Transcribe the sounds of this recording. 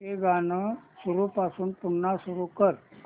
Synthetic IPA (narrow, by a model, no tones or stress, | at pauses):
eɡanəsuɾupasuːnpuɳːasuɾukəɾ